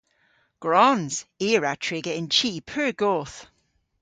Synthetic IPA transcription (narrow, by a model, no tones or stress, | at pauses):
ɡ̥ɹɔnz̥iːɹatʰɹɪɡəɪnt͡ʃʰiːpʰəːɡ̥oːθ